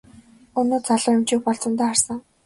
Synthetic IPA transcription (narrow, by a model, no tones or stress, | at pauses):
ɵnoːt͡sʰaɮə̆ːɪmt͡ɕiːk̚pɔɮt͡sə̆nt̪æːχarsə̆ŋ